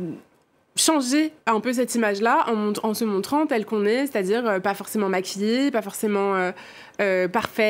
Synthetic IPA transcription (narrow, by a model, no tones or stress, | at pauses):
ʃɑ̃ʒeɛ̃pøs̬ɛt̪imaʒlaʔɑ̃mɔ̃t̪ɑ̃səmɔ̃t̪χɑ̃t̪ɛlkɔ̃nɛse̥t̪ad̪iːʁøpafɔʁsemɑ̃makʲijepafɔʁsemɑ̃ø | øpaʁfɛ